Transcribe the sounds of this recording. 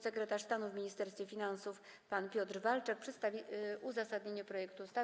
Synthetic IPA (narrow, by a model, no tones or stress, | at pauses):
sɛkɾɛt̪aʂst̪anuvmʲiɲist̪ɛɾst̪fʲɛfʲinansufpanpʲjɔt̪ɾvalt͡ʂɛk̚pʂɛt̪st̪avʲiuzasad̪ɲeɲɛpɾɔjɛkt̪ust̪a